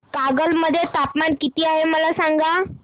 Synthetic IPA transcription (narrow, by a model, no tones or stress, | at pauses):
kaɡəlməd̪ʱːjet̪apmaɳkit̪iːaɦeməlasaŋɡa